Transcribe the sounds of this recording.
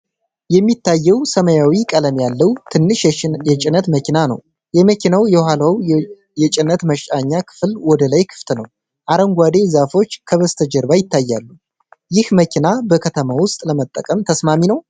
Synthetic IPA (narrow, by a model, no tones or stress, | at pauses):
jɛmːit̪ːajːɛwsəməjawikʼələmjalːəwt̪ʰɨnːɨʃjɛt͡ʃʼɪnət̪məkinanə̰w | jɛməkʰinawjɛwhalaw | jɛt͡ʃʼɪnət̪məʃt͡ʃʼaɲːakʰɨ̥flwɔd̪əlajkʰɨ̥ft̪ʰnəw | ʔaɾəŋɡʷad̪e̞zafo̞t͡ʃːkʰəβəst̪ʰəd͡ʒəɾbajɪt̪ʰːajːalːu | jɪhməkʰinabəkʰət̪ʰəmawʊst̪ʼləmət̪ʼːəkʼəmt̪ʰəsmaminəw